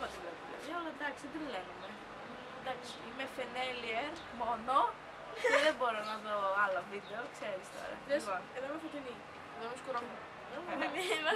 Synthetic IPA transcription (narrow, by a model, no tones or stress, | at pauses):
ot̪ilevulḛiolɐd̪ɐksid̪inleɣume | d̪ɐksi̥imefenelieɾ | mono | ceðemboɾonɐðoɐlɐvid̪eokseɾist̪o̞̰ɾɐ̰iponeðomɐfot̪ini | omuskuɾom | ðonemiɐ